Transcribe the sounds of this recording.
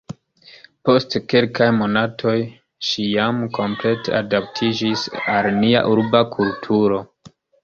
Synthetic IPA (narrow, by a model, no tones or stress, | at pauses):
po̞stkelkajmo̞natʰo̞j | ʃijamko̞mple̞te̞̰adap̚tʰid͡ʒisalnia̰ʔuɾbakʰultʰuɾo̞